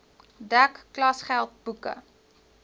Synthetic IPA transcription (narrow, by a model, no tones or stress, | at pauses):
dækːlɐsχælˠt̚b̥ukə̰